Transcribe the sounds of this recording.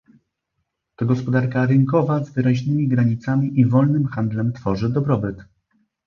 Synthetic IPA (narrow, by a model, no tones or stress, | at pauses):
t̪ɔɡɔspɔd̪aɾkaɾɘŋkɔvazvɘɾaʑnɘmʲiɡɾaɲit̪samʲiʔivɔlnɘmxand̪lɛmt̪fɔʐɘd̪ɔbɾɔbɘt̪